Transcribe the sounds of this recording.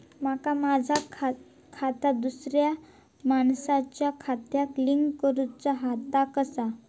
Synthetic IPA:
makamad͡zʱakʰ | kʰat̪ad̪usɾja | maɳsat͡ɕjakʰat̪jakliŋɡkəɾut͡saɦat̪akəsa

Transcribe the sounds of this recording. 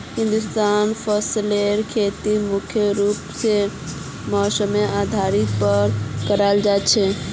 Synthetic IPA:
hĩnd̪ust̪anpʰɔsleɾkʰet̪imukʰjəɾupse | mɔsəmead̪ʱaɾit̪̚pəɾkəɾald͡ʒat͡ʃʰɛ

